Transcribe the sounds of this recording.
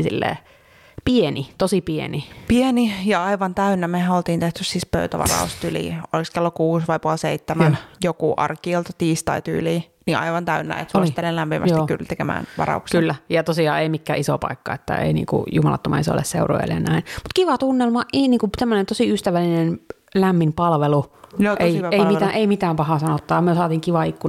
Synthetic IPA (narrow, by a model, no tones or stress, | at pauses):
sḭlːḛː | pienit̪osipiḛnipienijɑɑiʋɑnt̪æynːæmehæolt̪iːnt̪eht̪yssiːspø̰yt̪æʋɑ̰rɑ̰ust̪ylḭːo̰liskelːokuːsʋɑipuɑlseit̪ːemænjokuʔɑ̰rkiolt̪ɑt̪iːst̪ɑit̪y̰ːliːniɑ̰iʋɑnt̪æynːæ̰ḛt̪sost̪ːelellæmpimʔæst̪iky̰lt̪ekemæ̰ːnʋɑ̰rɑ̰uksekylːæjɑt̪osiɑ̰ːeimikːæ̰ːiso̰pɑ̰ikːɑ̰et̪ːæ̰ḛinḭːŋkṵjumɑlɑ̰t̪ːomʔɑ̰iso̰lːḛsseuro̰jḛlḛnæinmut̪kiʋɑt̪unːelmɑʔʔiniːŋkusemːonent̪osiˑyst̪æʋælːinen | læmːimpɑlʋelujoeieimit̪æʔeimit̪æːmpɑhɑˑsɑnot̪ːɑːɑmyøsɑːt̪iːŋkiʋɑikːu